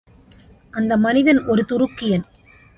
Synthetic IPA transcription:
ʔɐnd̪ɐmɐnɪðɐnʔɔɾɯt̪ʊrʊkːɪjɐn

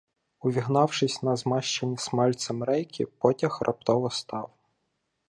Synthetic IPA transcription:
ʊʋʲiɦnɑwʃɪsʲnɐzmɑʃt͡ʃenʲismɑlʲt̪sɐmɾɛjkʲʰḭpɔtʲɐxrʔɐ̰p̚t̪ɔʋɔst̪ɑw

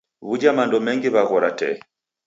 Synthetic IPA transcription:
βud͡ʒamandɔmɛŋɡiβaɣɔɾatɛ̰

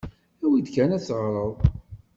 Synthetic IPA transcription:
θæwid̪kænæsʁɾˤəðˤ

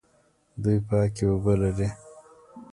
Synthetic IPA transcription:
d̪ujpɑːkewobəlaɾi

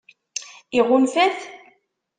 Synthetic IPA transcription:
iʁʊnfæθ

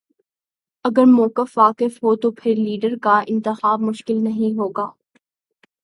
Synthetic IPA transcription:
ɐɡəɾmɔːkəfʋaːkɪfɦoːt̪opʰɪɾliːɖəɾkaɪ̃nt̪ɪxaːbmʊʃkɪlnɐɦĩɦoːɡaː

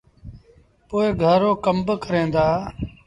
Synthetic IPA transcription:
poːeːɡʱəːɾoːkəmbkəɾẽːnd̪aː

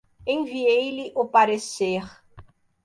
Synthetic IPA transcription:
ẽviejlɪʔʊpaɾeseɾ

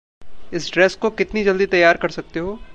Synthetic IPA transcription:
ɪsɖɾɛːskokɪt̪nid͡ʒɐld̪it̪ɐjːaːɾkɐɾsɐk̚t̪eɦoː

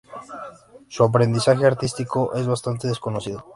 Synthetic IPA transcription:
suap̬ɾe̞nd̪isaxeaɾt̪ist̪iko̞ʔezβast̪ant̪eð̞esko̞nosið̞o

